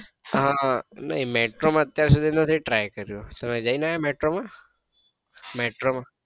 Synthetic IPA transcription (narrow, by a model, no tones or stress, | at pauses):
ɦãnə̰ɦimeʈɾomãət̪jaɾsud̪ʱinət̪ʰiʈɾajkəɾjut̪əmed͡ʒajnaɦemeʈɾomã | meʈɾomã